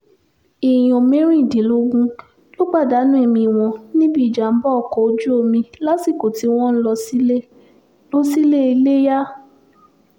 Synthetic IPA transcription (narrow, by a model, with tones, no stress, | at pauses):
i˨j̃ĩ˨o˨mẽ˦ɾ̃ĩ˦i˨de˨˦lo˦ɡũ˦ | jo˦ɡ͡ba˦˨da˨˦nũ˦e˦˨mĩ˧˨w̃ɔ̃˧nĩ˦bi˦˨d͡ʒa˨m̩˦bɔ˦ɔ˨kɔ˨o˧d͡ʒu˦o˧mĩ˧la˦si˦˨ko˨ti˨˦w̃ɔ̃˦n̩˦lɔ˧si˦le˦ | lo˦si˦le˦i˧le˦ja˦